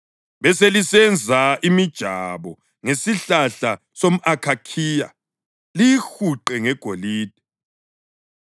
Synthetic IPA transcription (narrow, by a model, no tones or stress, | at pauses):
βɛselisɛnd͡zʱaʔimid̥ʒ̥ʱaβɔ | ŋesiɬaɬa | som̩ʔakʰakʰiːja̰ | lixuǃɛŋɛɡ̥ʱoliːd̥ʱɛ̥